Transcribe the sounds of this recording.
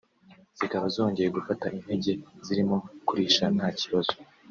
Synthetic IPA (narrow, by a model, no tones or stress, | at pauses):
z̥ikaβazo̞ːɲɟe̞je̞ɡufataʔin̥he̞ɟe̞ziɾimo̞kuɾiːʃan̥haːciβazo̥